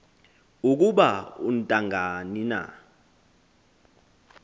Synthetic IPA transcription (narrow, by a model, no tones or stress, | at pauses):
uk̬uɓaun̩tʼaŋʱanina̰